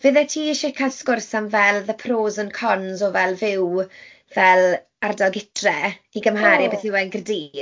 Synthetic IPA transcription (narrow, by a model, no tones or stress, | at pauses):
vəðɛtʰiːɪʃɛkʰanskʊrsanvɛlˠðəpʰroːzənkʰɔnzɔvɛlˠvɪw | vɛlˠ | ardalˠɡɪtʰrɛiɡəmhaːɾibeθɪwɛnɡrdiː